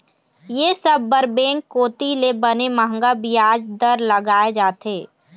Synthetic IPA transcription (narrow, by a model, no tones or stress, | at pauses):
jeːsəbːəɾbẽːŋkːoːt̪ilebəneməɦə̃ŋɡabiaːd͡ʒd̪əɾləɡaːed͡ʒaːt̪eː